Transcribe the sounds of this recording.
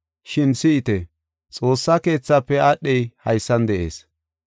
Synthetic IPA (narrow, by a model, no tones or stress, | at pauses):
ʃɪnsɪɪt̪ɛ | t͡sʼo̞ːsːake̞ːt͡sːaːpːɛaɗːɛjhɐjsːɐnd̪ɛʔe̞̰ːs